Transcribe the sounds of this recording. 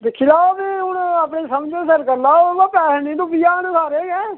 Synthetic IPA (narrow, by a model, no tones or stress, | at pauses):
d̪ɪkʰːiːlaːoːbiɦʊɳaːpɳeːsəmd͡ʒeːsəɾkəɾlaːɡaːpɛːsnĩːnũpijaːənsaːɾeːɡɛ̃ː